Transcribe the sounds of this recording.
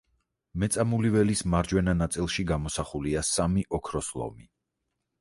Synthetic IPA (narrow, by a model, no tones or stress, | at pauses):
mɛt̪sʼamulivɛlismaɾd͡ʒwɛnanat̪sʼilˠʃiɡamɔsaχuliasamiʔɔkʰɾɔslˠɔ̰mi